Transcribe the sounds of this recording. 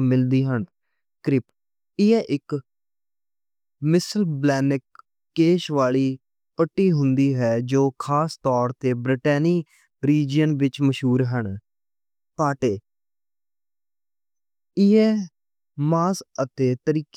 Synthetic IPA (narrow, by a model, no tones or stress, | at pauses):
mɪld̪iːɦəɳ | kɾɪp | ɪɛːʔɪk | mɪsəlblɛːnɪkː | eːʃʋaːliː | pəʈːiːɦʊ̃nd̪iːɦɛːd͡ʒoːkʰaːst̪ɔːɾt̪eːbɾɪʈɛːniː | ɾiːd͡ʒjənʋɪt͡ʃməʃɦuːɾɦəɳ | paːʈeː | ɪɛː | maːsət̪eːt̪əɾiːk